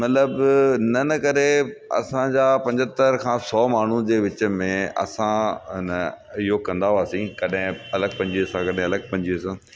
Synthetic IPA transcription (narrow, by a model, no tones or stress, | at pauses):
mɐt̪ləbnɐnɐkɐɾeɐ̰sãd͡ʑaːpɐ̃ɲd͡ʑət̪əɾkʰãːsɔːmaːɳ̤ũd͡ʑeːʋɪt͡ɕə̆mẽɐ̰sãnɐ | ɪɦokɐ̃nd̪aaːsĩːkɐɗɦɪ̃ɐləɡ̚pɐ̃ɲd͡ʑiəsãːkɐɗɦɪ̃ɐləɡ̚pɐ̃ɲd͡ʑiəsãː